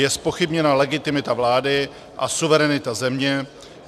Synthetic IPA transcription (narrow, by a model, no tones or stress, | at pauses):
jɛspo̞xɪbɲɛnalɛɡɪt̪ɪmɪt̪avlaːdɪ | ʔasuvɛɾɛnɪt̪azɛmɲɛ